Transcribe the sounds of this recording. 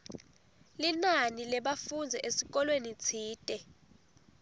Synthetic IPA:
linanilɛɓafund͡zʱɛʔesik̬ɔlwenit͡sʰiːtʼɛ

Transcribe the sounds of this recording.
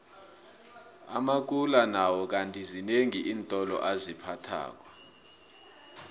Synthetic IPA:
a̰mak̬ulanawɔk̬antʼizineŋiʔiːntʼɔlɔ̰ʔazipʰatʰa̰ːk̬wɔ

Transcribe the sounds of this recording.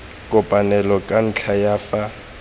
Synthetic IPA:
kʼʊpʼanɛlɔkʼan̩t͡ɬʰajaːfa

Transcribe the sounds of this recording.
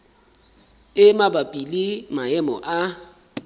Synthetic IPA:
ɪmabapʼilimaɛmɔʔa

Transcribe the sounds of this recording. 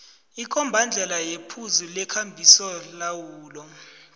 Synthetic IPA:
ikʼɔmbʱand͡ɮʱɛlajepʰuzulɛkʰambʱisɔlawuːlɔ

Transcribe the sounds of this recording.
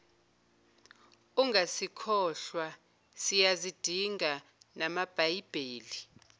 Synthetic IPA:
uŋɡʱasikʰɔːɬwa | sijazid̥ʱiŋanamab̥ʱajib̥ʱeːli

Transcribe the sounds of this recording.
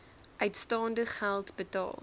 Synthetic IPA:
ʔœɥtstɑːndəχælˠtbətɑ̰ːlˠ

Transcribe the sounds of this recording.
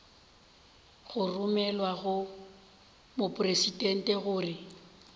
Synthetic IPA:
ɣʊrʊmɛlwaɣʊ | mʊpʼʊresidɛn̩tʼɛɣʊːrɪ

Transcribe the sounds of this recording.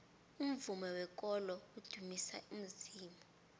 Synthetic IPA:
um̩vumɛwɛk̬ʼɔlɔud̥ʱumisa̰um̩ziːmɔ

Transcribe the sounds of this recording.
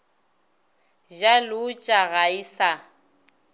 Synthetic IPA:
d͡ʒalʊːt͡ʃʼaɣaisa

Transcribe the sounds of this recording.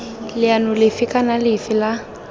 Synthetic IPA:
lɪanʊlɪfɪkʼanalɪfɪla

